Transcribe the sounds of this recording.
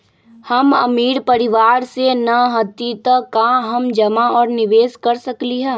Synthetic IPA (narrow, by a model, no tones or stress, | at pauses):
həmə̰miːɾpəɾɪʋaːɾsenɐɦət̪it̪əkaɦəmd͡ʒəmaɔːɾnɪʋeːskəɾsəkliɦɛ̃ː